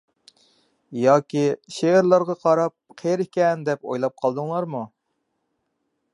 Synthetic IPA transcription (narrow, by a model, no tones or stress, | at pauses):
jɑːkʲiʃeɾlˠɑɾʁɑqʰɑɾɑp̚qʰeɾɪkʲɛnd̪ɛpo̰jlˠɑp̚qʰɑlˠd̪ɨŋlˠɑɾmu